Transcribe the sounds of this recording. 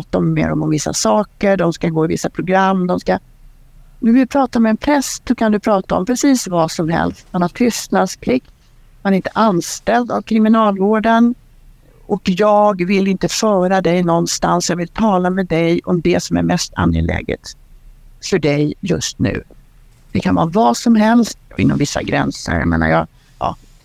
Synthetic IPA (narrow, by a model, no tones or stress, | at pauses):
t̪aɔmːḛːɾɔ̰mɔmvɪsːa̰sɑːkəɖɔmskaɡoːɪvɪsːapʰɾʊɡɾamːd̪ɔmska | nɛvɪlpʰɾɑːt̪amɛːnpʰɾɛssɔkʰand̪ɵpʰɾɑːt̪aɔ̰mpʰɾɛsiːsvasɔmhɛ̰lst̪manhaɾt̪ʰʏst̪nad̪skʰlɪk̪ː | manæɾɪnt̪ə̥ʔanst̪ɛld̪a̰vkʰɾɪmɪnɑːlvoːɖən | ɔkjɑːɡvɪlɪnt̪əfœːɾad̪ɛjnɔnːst̪ansjɑvɪlt̪ʰɑːlamɛd̪ɛjɔmd̪ɛsɔmæ̰ɾmɛst̪ʰa̰njə̰lɛ̰ːɡə̰t̪ | fœɖɛjjɵ̰st̪nʉ̟ː | d̪ɪkʰanvɑːvɑsɔmɦɛlst̪̚ɪ̰nːɔ̰mvɪsːa̰ɡɾɛ̰nsə̰ɾja̰mḛːna̰ɾjɑ | jɑ̰ː